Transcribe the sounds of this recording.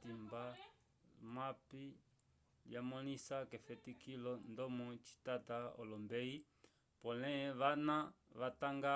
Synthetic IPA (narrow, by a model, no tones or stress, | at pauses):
timba | mapi | ljamɔnisakɛfɛtikilɔndɔmɔt͡ʃi̥tataɔ̰lɔmbɛi | pɔnɛβana | βataŋɡa